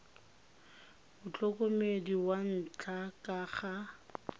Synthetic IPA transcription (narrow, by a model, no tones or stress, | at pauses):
mʊt͡ɬʼɔkʼomediwan̩t͡ɬʼakʼaχa